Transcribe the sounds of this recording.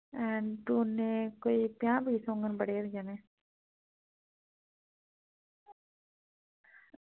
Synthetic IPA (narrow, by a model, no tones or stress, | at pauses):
ɛɳʈuːnːẽkoːipjãːbiːsõːŋɡənbəɽeːɾd͡ʒaneː